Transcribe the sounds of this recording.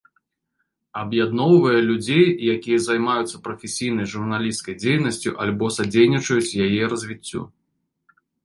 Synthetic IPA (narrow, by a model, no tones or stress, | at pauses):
ɐbjad̪nɔwvɐjɛlʲud͡zʲejjakʲijɐzajmajut̪sːɐpɾɐfʲesʲijnɐjʐurnalʲiskɐjd͡zʲejnɐsʲt͡sʲuʔalʲbɔsad͡zʲejnʲit͡ʂɐjut͡sʲjajɛɾɐzʲvʲit͡sʲːṵ